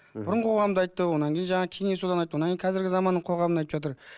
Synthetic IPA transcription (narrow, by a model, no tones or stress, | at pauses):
b̥ʊɾəɴəqʰo̞ʁɑmd̪əɑjt̪ːəwo̞nɑŋkʲe̞jɪnʒɑɴɑkʲʰe̞ŋesulɑnɑjt̪ːəwoɑŋkʰʲejnqʰzɪɾɡʲɪzɑmɑnːəɴqʰoʁɑmənɑjt̪əpʒɑt̪̬əɾ